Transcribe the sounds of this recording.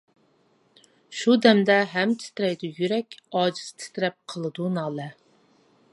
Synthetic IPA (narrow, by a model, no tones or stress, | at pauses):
ʃud̪ɛmd̪ɛɦæmt̪ʰɪ̥t̪ɾɛjd̪ujyɾɛkʲɑːd͡ʒizt̪ʰɪ̥t̪ɾɛp̚qʰəlˠɨd̪unɑːlˠɛ